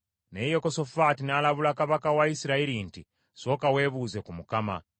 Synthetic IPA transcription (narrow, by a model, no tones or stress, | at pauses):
nejekosofatinaːlaβulakaβakawaisiɾaiɾinti | so̞ːkawe̞ːβuːze̞kumukama̰